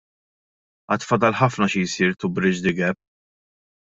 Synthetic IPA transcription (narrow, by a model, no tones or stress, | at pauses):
ɐːt̪fɐd̪ɐlħɐfnɐʃijsiːɾt̪ʊbɾɪt͡ʃd̪ɪɡɛpː